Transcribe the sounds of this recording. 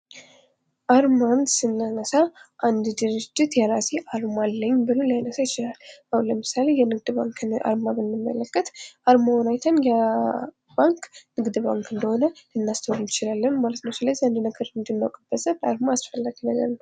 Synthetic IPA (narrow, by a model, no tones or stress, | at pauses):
ʔaɾmansɨnːanəsaʔand̪d̪ɨɾɨd͡ʒːɪt̪jɛɾaseʔaɾmalːəɲːbɨlolajnəsajɪt͡ʃɪlalawləmɨsale̞jɛnɨɡd̪baŋkʔa̰ɾmamɨnːɨmːə̰ləkːət̪ʔaɾmawɔnajt̪ʰənjɛ | baŋknɨɡd̪baŋkɨnd̪əho̞nəɨnːast̪ʰəwdnɪt͡ʃɪlalːənmalət̪nəwsɨləzːihand̪nəɡəɾɨnd̪ɨnːawkʼɨb̥əsəlaɾmaːsfəlːaɡinəɡə̰ɾnw